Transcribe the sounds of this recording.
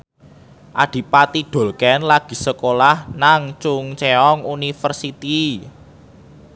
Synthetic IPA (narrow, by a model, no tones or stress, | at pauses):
ʔad̪̥i̤pat̪id̥o̤lkɛnlaɡ̥i̤səkolahnaŋt͡ʃʊŋt͡ʃeɔŋunifərsit̪i